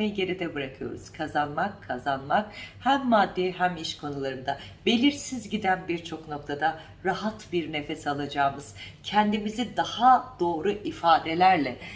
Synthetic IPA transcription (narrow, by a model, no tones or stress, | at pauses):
ejiɟe̞ɾid̪ɛbɯɾakʰɯjo̞̰ɾṵz̥kʰazanmakʰːazanmakhæmːad̪ːiɦæmiʃkʰo̞nulˠaɾɯnd̪abe̞lʲiɾsizɟid̪ænbiɾt͡ʃʰo̞kno̞k̚t̪ʰad̪a | ɾaɦat̪biɾne̞fɛsalˠad͡ʒaːmɯz̥cʰɛnd̪imizid̪ahad̪̥o̞ːɾuʔifaːd̪e̞lʲæɾlʲɛ